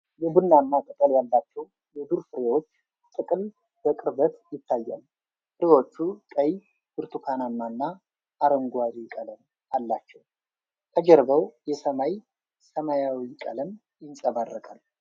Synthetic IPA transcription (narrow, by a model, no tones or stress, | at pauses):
jɛbunːanːat̪ʼɨt̪ʼəljalːat͡ʃːɛw | jɛd̪uɾfɨɾewo̞t͡ʃː | t̪ʼɨkʼɨl | b̥əkʼɨɾbət̪jɪt̪ʰːajːa̰l | fɨɾewo̞t͡ʃːut̪ʼəj | bɨɾt̪ʰukʰanamːanːaː | ɾəŋɡʷaɾikʼələm | alːat͡ʃːɛw | t̪ʰəd͡ʒɛɾbəwjɛsəmaj | səmajawikʼə̰ləm | jɪnsʼəβarːəkʼal